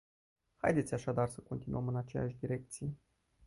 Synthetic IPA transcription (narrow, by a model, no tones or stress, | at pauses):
ha̰jd̪e̞t̪sʲaʃad̪arsəko̞nt̪inuəmɨnat͡ʃe̞ja̰ʃʲd̪iɾe̞k̚t̪sije